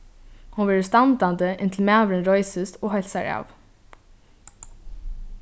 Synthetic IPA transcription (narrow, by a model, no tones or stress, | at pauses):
hunʋɛːɹəst̪and̪and̪əʔɪnt̪ʰl̩mæːʋɾɪnɾɔʏsɪst̪ɔːɦɛlsaɹɑ̰ːʋ